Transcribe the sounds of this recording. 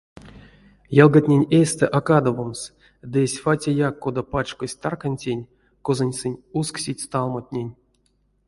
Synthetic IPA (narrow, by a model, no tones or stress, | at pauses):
jalˠɡat̪ʲnʲenʲesʲt̪ɛʔakad̪ovoms | d̪ɨesʲfatʲejakːod̪apat͡ʃkosʲt̪arkanʲtʲenʲ | kozanʲsɨnʲusksʲitʲt̪alˠmat̪ʲnʲenʲ